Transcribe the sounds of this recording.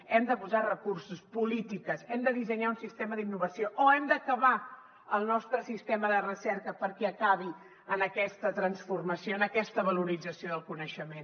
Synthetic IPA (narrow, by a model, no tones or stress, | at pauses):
ɛmd̪əpuzarəkursuspulit̪ikəsɛmd̪əðizəɲaunsist̪eməðinːuβəsioʔoɛmd̪əkəβa | əlˠnɔst̪ɾəsist̪eməðərəsɛɾkəpəɾkɛəkaβi | ənəkɛst̪ət̪ɾənsfurməsioənəkɛst̪əβəluɾid͡zəsioðəlˠkunəʃəmen